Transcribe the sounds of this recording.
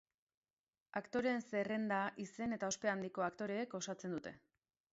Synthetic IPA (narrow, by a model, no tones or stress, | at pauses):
akt̪o̞ɾe̞nse̞re̞nd̪aʔise̞ne̞t̪ao̞spe̞and̪iko̞akt̪o̞ɾe̞ːko̞sat͡se̞nd̪ut̪e̞